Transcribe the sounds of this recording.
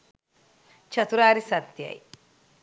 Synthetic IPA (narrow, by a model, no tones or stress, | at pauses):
t͡ʃɐt̪uɾaːɾisɐt̪jɐ̰j